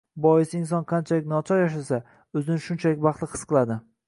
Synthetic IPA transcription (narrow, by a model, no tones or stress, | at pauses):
bɒjɪsɪnsɒnqʰɑnt͡ʃʰalɪk̚ʲnɒt͡ʃʰɒɾjaʃ̬asa | ɵzɪnɪʃʊnt͡ʃʰalɪk̚ʲbɑχt̪lˠɪqʰɨ̥sqɨlˠad̪ɪ